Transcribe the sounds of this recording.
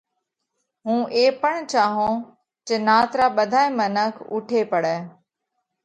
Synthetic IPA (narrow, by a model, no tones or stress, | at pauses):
ɦũːʔeːpəɳ̃t͡ʃaːɦõː | t͡ʃənaːt̪ɾaːɓəd̪ʱaːẽːmənəkʰʊ̰ʈʰeːpəɽɛː